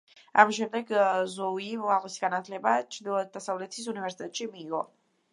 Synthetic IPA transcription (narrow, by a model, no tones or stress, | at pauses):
amiʃɛmd̪ɛɡzɔimalɛsi̥ɡanat̪ʰlɛbat͡ʃʰɾd̪ilˠɔd̪asavlɛt̪ʰis̬univɛɾsi̥t̪ʰʼɛt̪ʃimiːʁɔ̰